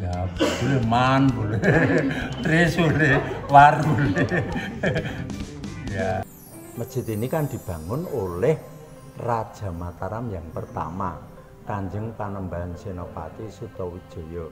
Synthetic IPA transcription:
jabb̥ulemanbule | t̪ɾisulewarule | ja | məd̥ʒ̥i̤t̪inikaŋd̪̥i̤b̥ä̤ŋʊnolɛh | rad̥ʒ̥a̤mat̪aɾamjaŋpərt̪a̰ma̰ | kaɲd͡ʒəŋpanəmbansenɔpa̰t̪isut̪ɔwid̥ʒ̥ɔ̤jɔ

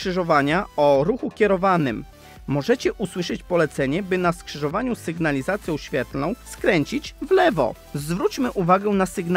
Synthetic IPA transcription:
ʂɘʐɔvaɲaɔɾuxukʲɛɾɔvanɘmː | ɔʐɛt͡ɕɛʔuswɘʂɘt͡ɕpɔlɛt̪sɛɲɛbɘnaskʂɘʐɔvaɲusɘɡnalʲizat̪sʲjɔ̃w̃ɕfʲjɛt̪lnɔ̃w̃skɾɛɲt͡ɕit͡ɕvlɛvɔ̰ | zvɾut͡ɕmɘʔuvaɡɛnasɘɡn

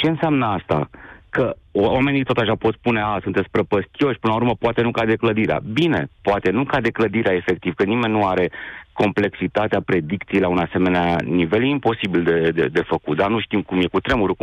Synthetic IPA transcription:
t͡ʃe̞ɨnseamnəast̪a̰kəwame̞nit̪ot̪aʃapo̞t̪spune̞asunt̪et̪spɾəpəst̪io̞ʃʲpɨnlaurməpoat̪e̞nukad̪e̞kləd̪iɾea̰bine̞poat̪e̞nukad̪e̞kləd̪iɾeaefe̞k̚t̪iv̥kənime̞nːuaɾe̞ko̞mple̞ksit̪at̪eapɾe̞d̪ik̚t̪sijlaunase̞me̞neanive̞ljeimpo̞sibild̪e̞d̪ḛd̪e̞fəkut̪̚d̪arnuʃt̪imkumje̞kut̪ɾe̞muɾu

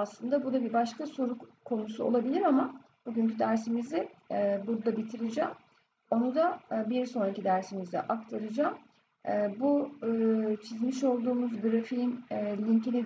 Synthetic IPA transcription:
aslˠɯnd̪abud̪abibaʃkasoɾukkʰːo̞nusuolˠabilʲiɾama | b̥uɟync̬ʰyd̪æɾsimizɪɛbuɾd̪ˠabit̪ʰiɾid͡ʒaːm | o̞nud̪abiɾso̞nɾacid̪æɾsimizd̪ɛ̰ʔak̚t̪ʰaɾɯd͡ʒaːmː | bu | t͡ʃʰizmiʃo̞lˠd̪uːmuzɡɯɾafinːlʲiɲcʰeni

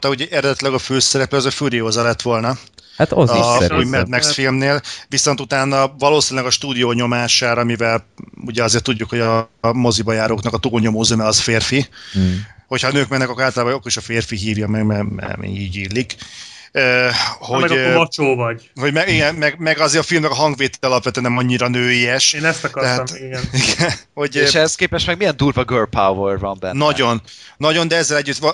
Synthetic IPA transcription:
t̪ɒuɟɛʔɛɾɛd̪ɛt̪ilɛɡɒføːsɛɾɛplɛɒzɒfuɾioːzɒlɛt̪ːʋo̞lnɒat̪omɛd̪̚mɛksfilmneːlviso̞nt̪ut̪aːnːɒvɒloːsinilɛɡɒʃt̪uːd̪ijoːɲo̞maːʃaːɾɒmivɛluɟɛɒzeːrt̪ːud̪ːukho̞ɟɒmo̞zibɒjaːɾoːknɒkɒt̪uːlɲo̞moːzømɛɒsfeːrfi | ho̞chɒnøːkmɛnːɛkɒkːaːlt̪ɒlaːbɒɒkːoɾiʃɒfeːrfiɦiːvjɒmɛɡmɛmɛ̰mḭiːɟiːlːik | øːho̞mɛɒt͡ʃoːvɒɟ | ho̞ɟmɛɡiɡɛnmɛɡmɛɡɒzeːɾɒfilmnɛɡɒɦɒŋɡveːt̪i̥t̪ɒlɒpvɛt̪øːnnɛmɒɲːiɾɒnøːiɛʃeːnɛst̪ɒtkɒɛɦaiɡɛniɡɛnho̞ɟeʃɛhskeːpɛʃmɛɡmijɛnd̪uːrvɒɡøːrpawvɛrvɒmbɛ̰nːɒɟo̞nː | ɒɟo̞nd̪ɛɛzːɛlɛɟːyt̪ɒ

